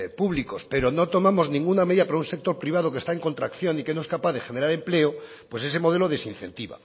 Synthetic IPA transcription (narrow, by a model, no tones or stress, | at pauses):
puβlikospe̞ɾono̞t̪o̞mamo̞znĩŋɡunameðiðapaɾaunse̞k̚t̪o̞ɾpɾiβað̞oke̞st̪aeŋko̞nt̪ɾakθjo̞nike̞no̞e̞skapaðe̞xe̞ne̞ɾaɾe̞mple̞o | pwe̞s̬e̞s̬e̞mo̞ð̞e̞loðe̞sin̟θe̞̰nt̪iβa̰